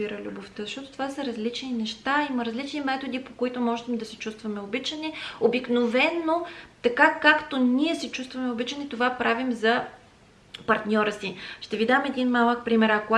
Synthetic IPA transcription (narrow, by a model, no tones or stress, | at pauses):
iɾəlʲuboft̪əzɐʃt̪ɔt̪o̥t̪ovasəɾɐzlit͡ʃninɛʃt̪aimɐɾɐzlit͡ʃnimɛt̪od̪ipokoit̪omɔʒɛt̪ɛmd̪ɐsɛt͡ʃust̪vɐmɛobit͡ʃənɛobiknovɛnːot̪ɐkakakt̪oniɛsɛt͡ʃust̪vɐmɛobit͡ʃənɛt̪ovapɾʔavimzɐ | pɐɾt̪nʲɔɾəsiʃt̪ɛvid̪amɛd̪inmalˠək̚pɾimɛɾɐko